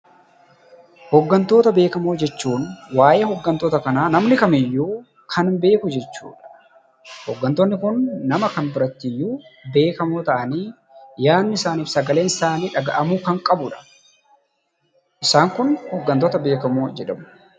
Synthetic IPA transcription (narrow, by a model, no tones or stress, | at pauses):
hɔɡːɐnt̪o̞ːt̪ɐbe̞ːkɐmoːd͡ʒɛt͡ʃːuːnwaːʔeːhɔɡːɐnt̪oːt̪ɐkɐnaːnɐmnɪkɐmɪjːuː | kʰɐnbe̞ːkʊd͡ʒɛt͡ʃːṵːᶑɐ̥ | hɔɡːɐnt̪ɔnːɪkʊnːɐmɐkɐnbɪɾɐt̪ːɪjːube̞ːkɐmoːt̪ɐʔɐniː | jaːnːɪɪsaːniːfsɐɡɐle̞ːnsaːniːᶑɐɡɐʔɐmʊkɐŋkʼɐbʊᶑɐ̥ | ʔɪsaːŋkʊnhɔɡːɐnt̪oːt̪ɐbe̞ːkɐmoːd͡ʒɛᶑɐmʊ̥